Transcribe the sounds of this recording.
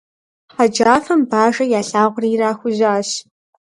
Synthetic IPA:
ħad͡ʒaːfɐmbaːʒɐjaːɬaːʁʷʊriːraːxʷʊʑaːɕ

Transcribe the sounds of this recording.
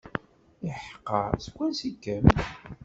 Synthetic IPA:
iħə̥qːəskʷːænsikːæm

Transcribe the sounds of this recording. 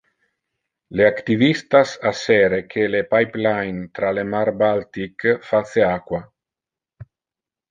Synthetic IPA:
leakt̪ivist̪asaseɾekʰelepajplajnt̪ɾalemaɾbalt̪ikfat̪seakwa

